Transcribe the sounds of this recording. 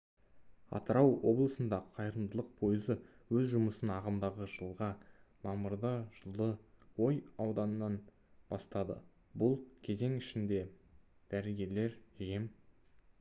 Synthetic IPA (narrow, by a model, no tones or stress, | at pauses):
ɑ̰t̪əɾɑwwo̞̰blˠəsənd̪ɑqʰɑjɾənd̪əlˠəq̚pʰo̞jəzəwɵzʒʊməsənɑʁəmd̪ɑʁəʒəlˠʁɑ | mɑməɾd̪əʒəlˠd̪əwo̞jɑwd̪ɑnənɑn | b̥ɑst̪ɑd̪ə̰ | bʊlˠkʲʰe̞zeŋɪʃɪnd̪e̞d̪̥æɾɪɡʲe̞ɾle̞ɾʒe̞m